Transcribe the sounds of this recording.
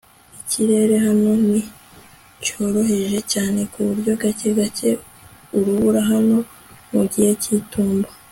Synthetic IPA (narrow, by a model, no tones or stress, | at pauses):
iciɾe̞ːɾe̞ɦano̞ni | co̞ːɾo̞ɦe̞ʒe̞caːne̞kuβuɾɟo̞ɡace̞ɡace̞ | uɾuβuɾaɦano̞ | muɟihe̞cituːmbo